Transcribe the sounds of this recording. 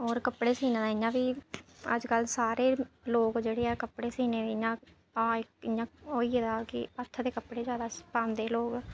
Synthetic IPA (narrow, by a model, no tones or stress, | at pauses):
ɦoːɾkəpːɽeːsiːnãːd̪aːɪjãːʋiːə̰d͡ʒkəlsaːɾeːloːkd͡ʒeːɽeːɛːkəpɽeːsiːneːd̪eːɪjãː | aːkɪjãːɦoːiːɛːd̪aːkɪ̰ət̪ʰːd̪eːkəpɽeːd͡ʒjaːd̪aːpaːmd̪eːloːɡ